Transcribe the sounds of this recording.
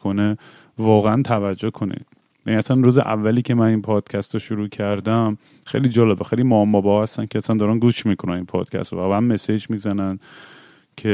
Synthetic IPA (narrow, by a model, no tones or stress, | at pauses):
kone | vɒːɣeænt̪ʰævæd͡ʒːohkʰo̞nḭd̪̥ | jæniæsænɾuːzḛʔæ̰vːæliːcʰe̞mæninpʰɒːd̪̥cʰæst̪ɔʃuɾuːcʰæɾd̪æm | xejliːd͡ʒɒːlebexejlimɒmɒːbɒhæst̪æncʰeæsænd̪ɒːɾænɡuːʃmiːkʰonæninpʰɒ̰ːd̪̥cʰæ̰st̪ɔ̰vaːbeæmmesed͡ʒmiːzænæn | cʰe